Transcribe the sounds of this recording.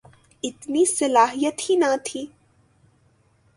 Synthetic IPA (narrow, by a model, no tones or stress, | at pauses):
ɪt̪nisɐlaːɦijət̪hinat̪ʰiː